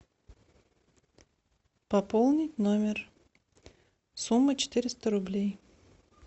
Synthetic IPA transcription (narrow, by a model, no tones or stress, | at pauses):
pɐpolˠnʲɪtʲnomʲɪr | sumːət͡ɕɪ̥t̪ɪɾʲɪst̪əɾʊblʲej